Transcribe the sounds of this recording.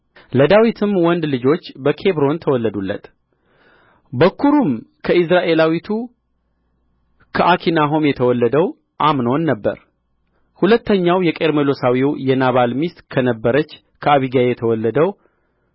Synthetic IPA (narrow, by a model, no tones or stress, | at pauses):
ləd̪awit̪ʰɨmwɔnd̪lɨd͡ʒo̞t͡ʃːbəkʰe̞βɾo̞nt̪ʰəwɔlːəd̪ulːə̰t̪ | bəkʰːuɾumkʰəɪs̬ɾaʔe̞lawit̪ʰu | kʰəʔakʰinaɦo̞mjɛt̪ʰəwɔlːəd̪əw | ʔamnownːəbːə̰ɾ | hulət̪ːəɲːawjɛkʼe̞ɾmelo̞sawiwjɛnaβalmist̪kʰənəbːəɾət͡ʃː | kʰəaβiɡajjɛt̪ʰəwɔlːəd̪əw